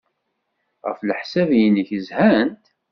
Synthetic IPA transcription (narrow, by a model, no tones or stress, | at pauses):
ʁə̰fləħsævjənəçəzhænt̪